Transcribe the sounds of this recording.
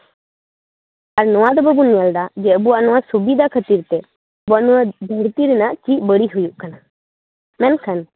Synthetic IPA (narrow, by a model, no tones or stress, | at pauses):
əɾnʊãd̪bəbuniald̪ad͡ʒeəbuanuãsubid̪akʰət̪iːɾt̪e | buanuãd̪ʱəɽt̪iɾnãt͡ʃibəɽiɦujukʰəna | mɛ̃nkʰən